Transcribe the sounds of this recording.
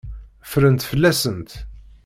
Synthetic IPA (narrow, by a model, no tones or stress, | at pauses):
fɾənt̪fəlːæsənt̪